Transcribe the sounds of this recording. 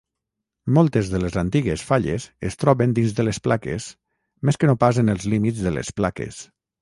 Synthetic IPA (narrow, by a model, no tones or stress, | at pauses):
mɔlˠt̪ezðəlezant̪iɣesfaʎḛzest̪ɾɔβend̪inzðəlesplakḛs | meskənopazenəlˠzlimizðəlḛsplakḛs